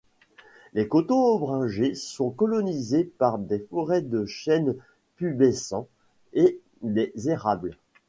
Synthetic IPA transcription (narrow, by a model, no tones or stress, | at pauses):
lekɔt̪õɔbʁɛ̃ʒesɔ̃kɔlɔnizepaʁd̪efɔʁɛd̪əʃɛn | pybesɑ̃ | e | d̪ezeʁabl